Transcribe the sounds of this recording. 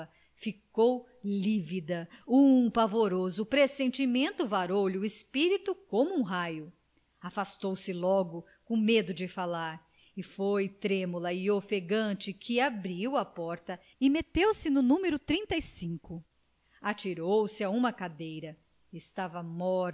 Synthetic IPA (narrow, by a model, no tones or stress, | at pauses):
ɐ | fikow | livid̪ɐũpavoɾozʊpɾesẽnt͡ʃimẽnt̪ʊvaɾowʎʊɪspiɾit̪ʊkõmʊũɦajʊ | afast̪owsɪlɔɡʊ | kõmed̪ʊd͡ʒɪfalaɾ | ɪfojt̪ɾẽmulɐɪofeɡɐ̃t͡ʃɪkʰɪabɾiwɐpɔɾt̪ɐ | ɪmet̪ewsɪnʊnũmeɾʊt̪ɾĩnt̪ɐisĩŋkʊ | at͡ʃiɾowsɪaũmɐkad̪ejɾɐ | ɪst̪avɐmɔɾ